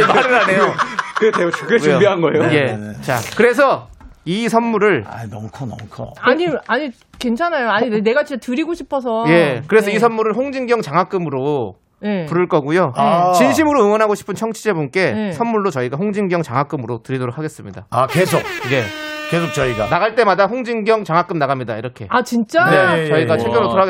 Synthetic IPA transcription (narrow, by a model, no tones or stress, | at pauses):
maɾɯɾanejokɯeteot͡ɕʰukʰejobiɦanɡʌejoje̞t͡ɕakɯɾe̞s̬ʰʌisʰʌnmuɾɯɭa̰nʌmkʰʌnʌmkʰʌ̰aɲiaɲi | ke̞nt͡ɕʰanajoaɲine̞ɡat͡ɕit͡ɕatɯɾiɡoɕʰi̥pʰʌs̬ʰʌje̞kɯɾe̞sʰʌisʰʌnmuɾɯɭɸoŋd͡ʑiŋɡjʌŋt͡ɕaŋɦak͈ɯmɯɾo | jepuɾɯɭk͈ʌɡujot͡ɕinɕ̬ʰimɯɾoɯŋwʌnɦaɡoɕʰi̥pʰɯnt͡ɕʰʌŋt͡ɕʰid͡ʑebunk͈e̞esʰʌnmuɭːot͡ɕʌiɡaɸoŋd͡ʑiŋɡjʌŋt͡ɕaŋɦak͈ɯmɯɾotɯɾidoɾok̚ʰaɡe̞s͈ɯmɲidaakes̬ʰok̚je̞kesʰok̚t͡ɕʌiɡanaɣaɭt͈e̞madaɸoŋd͡ʑiŋɡjʌŋt͡ɕaŋɦak͈ɯmnaɣamɲidaiɾʌkʰe̞̰at͡ɕint͡ɕ͈aat͡ɕʌiɡat͡ɕʰekjʌɾotoɾaɡ